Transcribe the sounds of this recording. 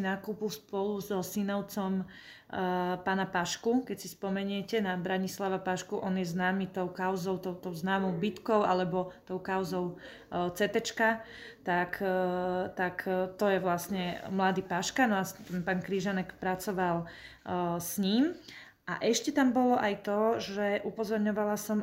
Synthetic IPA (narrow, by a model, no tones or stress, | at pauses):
inakuːpilspɔluzɔsinɔʊt͡sɔm | paːnapaʃkukɛcsispɔmɛɲɪɛcɛnabɾaɲislaʋapaʃkuʔɔnjɛznaːmit̪ɔʊkaʊzɔʊt̪ɔʊt̪ɔʊznaːmɔʊbit̪kɔʊʔa̰lɛbɔt̪ɔʊkaʊzɔʊ | t͡sɛt̪ɛt͡ʃka | t̪ak | t̪akt̪ɔjɛʋlasɲɛmlad̪iːpaʃkanɔast̪ɛnpaːnkɾiʒanɛkpɾat͡sɔʋal | sɲiːm | ʔa̰ʔɛʃcɛt̪ambɔlɔʔajt̪ɔʒɛʔupɔzɔɾɲɔʋalasɔm